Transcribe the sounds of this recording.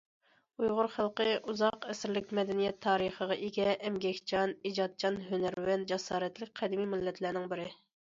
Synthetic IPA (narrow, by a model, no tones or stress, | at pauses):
ujʁʊɾχælˠqəʔuzɑqɛsɪɾlɪkʲmɛd̪ɛnijɛt̪ʰːɑːɾəχəʁɑʔeɡʲɛʔɛmɡʲɛkʲt͡ʃʰɑnid͡ʒɑt̪̚t͡ʃʰɑnɦønæɾwænd͡ʒɛsɑːɾɛt̪lɪk̚ʲqʰæd̪ɪmimɪlːɛt̪ʰlæɾnɪŋbɪɾɪ